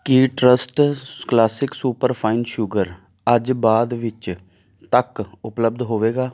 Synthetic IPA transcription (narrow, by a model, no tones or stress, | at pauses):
kiʈɾəsʈklaːsɪksuːpəɾpʰaːɪnʃʊɡəɾ | əd͡ʒbaːd̪ʋɪt͡ʃ | t̪əkʊpləb̚d̪ɦoːʋeːɡaː